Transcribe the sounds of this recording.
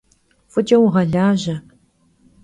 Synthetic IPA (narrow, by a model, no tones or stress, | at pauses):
fʊtʰewʁɐɮaːʑɐ